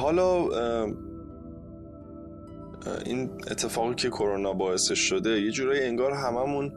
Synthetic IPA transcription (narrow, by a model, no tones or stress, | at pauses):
ɦɒːlɒː | ḭːne̞̰t̪ʰːe̞fɒːɣiːcʰe̞kʰo̞ɾonɒbɒːe̞se̞ʃːod̪e̞je̞d͡ʒuːɾɒːjieŋɡɒːɾɦæmæmun